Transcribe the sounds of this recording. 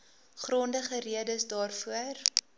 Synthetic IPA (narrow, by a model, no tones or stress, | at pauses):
χrɔndəχəriədəsdɑːrfuər